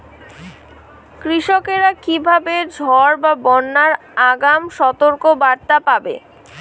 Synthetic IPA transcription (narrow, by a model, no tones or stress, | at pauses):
kɾiʃokeɾakibʱabed͡ʑʱɔɾbabɔnːaɾ | aɡamʃɔt̪oɾkobaɾt̪apabḛ